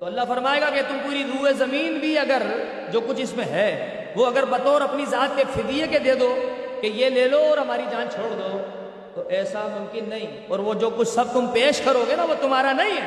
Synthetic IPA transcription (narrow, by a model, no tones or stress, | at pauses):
t̪oɐlːaɦfɐɾmaːeːɡaket̪ʊmpuːɾid̪uːezɐmiːnbʱiɐɡəɾ | d͡ʒoːkʊt͡ʃʰɪsmẽɦɛː | ʋoɐɡəɾbɐt̪oɔːɾɐpnizaːt̪̚kefɪd̪ijeked̪eːd̪okejeleːloɔːɾɦɐmaːɾid͡ʒãːnt͡ʃʰoːɽd̪o | t̪oʔɛːsamʊ̃mkɪnːɐɦĩ | ɔːɾʋod͡ʒoːkʊt͡ʃʰsɐb̚t̪ʊmpeːʃkɐɾoːɡenaʋot̪ʊmaːɾanɐɦĩɦɛː